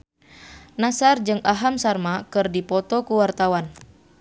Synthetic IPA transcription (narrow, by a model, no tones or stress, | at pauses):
nasard͡ʒɨŋʔaɦamsarmakɨrdipɔt̪ɔkuwart̪awan